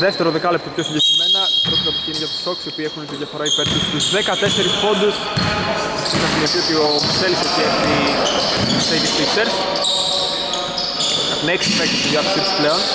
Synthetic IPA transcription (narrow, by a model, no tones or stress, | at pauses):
ðeft̪e̞ɾo̞ðekɐlept̪ɐpço̞siɲɟekɾime̞nɐpɾot̪t̪ɐpot̪iineʝɐt̪i̥st̪o̞ksio̞piːexunet̪iðʝɐfoɾɐipeɾt̪ust̪uzðekɐt̪e̞se̞ɾispo̞nd̪us | ɐt̪inɐsinet̪iot̪iomselisot̪iɐt̪i | teʝist̪ikseɾs | ɐt̪ineksipek̪ist̪iðjɐtɐksit̪i̥spleo̞n